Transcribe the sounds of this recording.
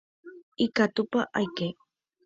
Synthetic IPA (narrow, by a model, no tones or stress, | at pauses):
ikat̪ʊpaʔajke